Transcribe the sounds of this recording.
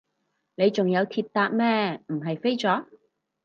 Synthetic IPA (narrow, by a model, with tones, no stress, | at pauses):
ne˨˧jt͡sʊ˨ŋjɐ˨˧wt̪ʰiː˧t̚t̪aː˧t̚mɛː˥m̩˨˩ɦɐ˨jfe˥jt͡sɔː˨˥